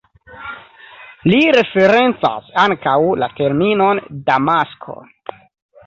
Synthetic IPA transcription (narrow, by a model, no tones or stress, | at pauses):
liɾe̞fe̞ɾe̞nt͡sa̰saŋkawlate̞ɾmino̞ndamaskʰo̞̰